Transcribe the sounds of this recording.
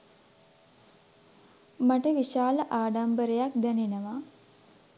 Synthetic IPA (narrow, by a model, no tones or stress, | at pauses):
maʈəʋiʃaːləʔaːɖambəɾejak̚d̪ænenəʋa